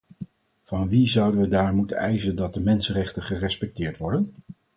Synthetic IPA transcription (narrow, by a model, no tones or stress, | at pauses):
v̥ɑnʋizʌwdənʋədaːɹmutənɛjzəndɑt̚dəmɛnsənrɛχtəχərɛspɛk̚tɪːɹtʋɔɹdən